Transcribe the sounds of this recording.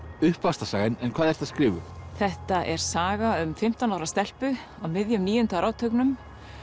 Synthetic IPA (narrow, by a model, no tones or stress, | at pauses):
ʏhpvast̪asaːɣɪnɛnkʰvaːðɛɾ̥θaðskɾɪːvʏθɛht̪aʔɛɾ̥saːɣaʏmfɪm̥t̪awnawɾast̪ɛl̥pʏ | awmɪðjʏmniːjʏnt̪aɾaːwt̪ʰœknʏm